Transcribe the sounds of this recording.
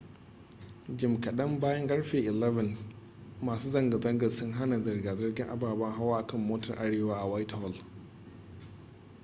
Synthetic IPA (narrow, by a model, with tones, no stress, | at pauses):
d͡ʒɪ˨mkɐ˨ɗɐ˦mbaː˦jɐ˦ŋɡʼɐ˦ɽɸeː˨ʔɪ˨lɛ˦vɐ˨n | maː˨suː˦zɐ˦˨ŋɡa˨zɐ˦ŋɡɐ˨sʊ˦ŋɦa˦na˨zɐ˨rɡaː˨zɐ˦rɡʲɪ˦ŋʔa̰˨baː˨baː˦ɦa˦waː˦ʔa˨kɐ˦˨mːoː˦tɐ˨rʔa˦ɽeː˦waː˦ʔa˨waː˦thɔ˨l